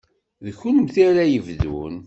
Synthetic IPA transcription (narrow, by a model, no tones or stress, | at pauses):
ðəçunəmθaɾajəvðṵn